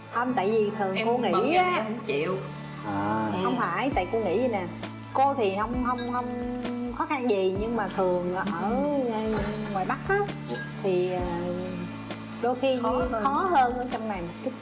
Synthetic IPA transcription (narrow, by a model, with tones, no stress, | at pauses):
hə˧mt̪a̰ː˧˨jvi˨˩t̪ʰɨ˨˩ko˧ŋḭ˧˥˧a˦˧˨t͡ɕḭ˧˨əw | ʔəː˨˩xə˧wŋ͡mfaː˧˩jt̪a̰ː˧˨jko˧ŋḭ˧˩˥zi˨˩naː˨˩ | ko˧t̪ʰi˨˩hə˧wŋ͡mɦə˧wŋ͡mhə˧wŋ͡mxɔ˨˦xa˧nzi˨˩ɲɨ˧ŋmaː˨˩t̪ʰɨ˨˩əŋʔəː˨˩ʔəː˧˩˧ | ŋwaː˨˩jɓa˦˥k̚ʔaː˨˦ | t̪ʰi˨˩əː˨˩ | ɗo˧jxi˧xɔ˨˦həː˧nʔəː˧˦t͡ɕɔ˧wŋ͡mna˨˩jmo˨˩k̚t̪ʰɨ˦˥k̚